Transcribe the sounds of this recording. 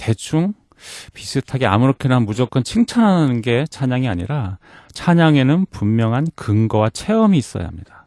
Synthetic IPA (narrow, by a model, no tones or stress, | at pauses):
te̞t͡ɕʰuŋ | pis͈ʰɯtʰaɡea̰muɾʌkʰenaɦnmud͡ʑʌk͈ɯnt͡ɕʰiŋt͡ɕʰanɦanɯnɯnɡe̞t͡ɕʰaɲaŋiaɲḭɾa | t͡ɕʰaɲaŋe̞nɯnpumːjʌŋɦankɯŋɡʌwat͡ɕʰe̞ʌmiːs͈ʌ̰ja̰ɦamɲid̥a